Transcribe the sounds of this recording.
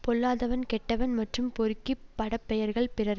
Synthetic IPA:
pɔɭːaːðɐʋɐnkɛʈːɐʋɐnmɐʈrɯmpɔɾɯkːipːɐɽɐpːɛjɐɾɣɐɭpɪrɐɾ

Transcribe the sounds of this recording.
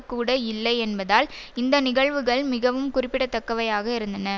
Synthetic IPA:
kːuːɽɐɪlːɐɪɛnbɐðaːl | ɪnd̪ɐnɪɣɐɭʋɯɣɐɭmɪɣɐʋɯmkʊrɪpːɪɽɐt̪ːɐkːɐʋɐjaːɣɐɪɾɯnd̪ɐnɐ

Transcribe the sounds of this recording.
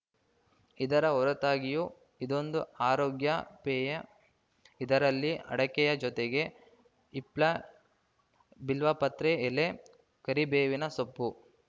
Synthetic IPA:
id̪ɐɾɐɔɾɐt̪aːɡiju | id̪o̞nd̪uaːɾoːɡjɐpɛːjɐ | id̪ɐɾɐlːiʔɐ̰ɽɐkɛjɐd͡ʒɔt̪eɡe̞ | iplɐ | bilʋɐpɐt̪ɾeːle | kɐɾibeːʋinɐsopːu

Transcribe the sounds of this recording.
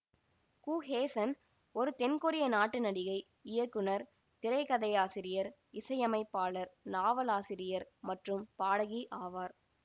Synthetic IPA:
kuːheːsɐn | ɔɾɯt̪ɛnkʊɾɪjɐnaːʈːɯnɐɽɪɣɐɪ | ɪjɐkːɯnɐɾ | t̪ɪɾɐɪkɐðɐjaːsɪɾɪjɐɾ | ɪsɐjɐmɐɪpːaːɭɐɾnaːʋɐlaːsɪɾɪjɐɾmɐʈrɯmpaːɽɐɣiʔaːʋaːɾ

